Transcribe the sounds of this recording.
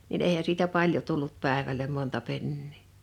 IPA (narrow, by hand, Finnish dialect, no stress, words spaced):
nin eˑihæ siːtæ pɑljo tulːut pæˑeʋælem montɑ penːiː